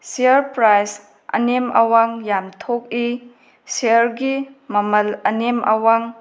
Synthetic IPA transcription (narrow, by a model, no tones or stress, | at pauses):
siəɾpɾajs | ʔɐ̰nemɐ̰waŋjamtʰok̚i | seɾɡimɐmɐlɐnemɐwaŋ